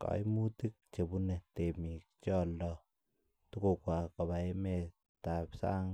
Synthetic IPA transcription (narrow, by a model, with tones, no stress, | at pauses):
ka̰˨jmu˦ti˦k̚t͡ʃe˨bu˦ne˨te˨mi˨kt͡ʃɔ˦lɔ˦ | tu˦ko˨kwa˨kɔ˨βa˨je˦me˨ | ta˨psa̰˦ŋ